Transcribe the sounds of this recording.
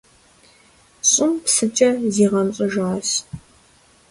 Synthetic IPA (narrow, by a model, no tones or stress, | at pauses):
ɕʼɪmpsɨt͡ʃʼɐziːʁɐnɕʼʊʒaːs